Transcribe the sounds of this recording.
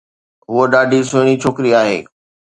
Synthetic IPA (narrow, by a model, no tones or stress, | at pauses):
ɦʊəɗaːɖʱisʊɪɽ̃it͡ɕʰoːkɾiaːɦḛː